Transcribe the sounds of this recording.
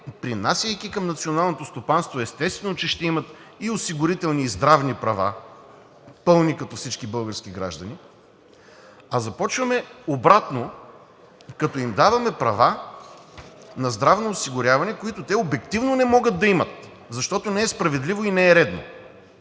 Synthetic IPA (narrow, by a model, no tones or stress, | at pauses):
pɾinasʲəjkikɐmnɐt̪sionalˠnot̪ost̪opanst̪voɛst̪ɛst̪vɛnot͡ʃɛʃt̪ɛimɐt̪iosiɡʊɾit̪ɛlˠniːzd̪ɾavnipɾɐva̰ | pɤlˠnikɐt̪ɔfsit͡ʃkibɤlˠɡəɾsk̟iɡɾa̰ʒd̪ɐni | ɐzɐpɔt͡ʃvɐmɛobɾat̪no | kɐt̪ɔimd̪avɐmɛpɾɐva | nɐzd̪ɾavnoːsiɡʊɾʲavɐnɛkoit̪ʊt̪ɛobɛkt̪ivnonɛmɔɡəd̪̚d̪ɐimət̪ | zɐʃt̪ɔt̪onɛɛspɾɐvɛd̪livoinɛɛɾɛd̪no̰